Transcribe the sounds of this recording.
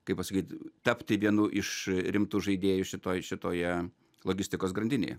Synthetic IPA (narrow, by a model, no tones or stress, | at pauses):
kɐɪpɐsɐkʲiːt̪ʲt̪ɐpʲt̪ʲɪʋʲiɛnuːʔɪʃɾʲɪmt̪uːʒɐɪd̪ʲeːjʊʃʲɪt̪oːjʃʲɪt̪oːjɛ | lˠoːɡʲɪsʲt̪ʲɪkoːsɡɾɐnʲd̪ʲɪnʲḛːjɛ̰